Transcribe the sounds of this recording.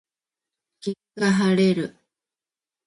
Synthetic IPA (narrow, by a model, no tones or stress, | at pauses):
kikaɦaɾeɾɯ